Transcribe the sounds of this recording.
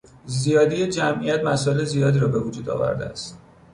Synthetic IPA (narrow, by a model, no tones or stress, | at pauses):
zijɒːd̪ijed͡ʒæmʔijæt̪mæsɒːelezijɒːd̪iːɾɒːbe̞vud͡ʒuːd̪ɒ̰ːvæ̰ɾd̪ḛæ̰st̪